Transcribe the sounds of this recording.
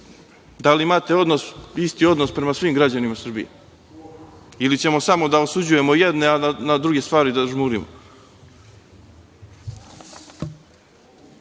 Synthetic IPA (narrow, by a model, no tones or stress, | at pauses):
d̪aliimaːt̪e̞o̞d̪nosist̪io̞d̪nospɾe̞masʋiːmɡɾad͡ʑanimasrbḭje | ilit͡ɕe̞mo̞samo̞d̪aosud͡ʑuje̞mojed̪ne̞aanad̪ɾuɡe̞st̪ʋaːɾid̪aʒmuːɾimo̰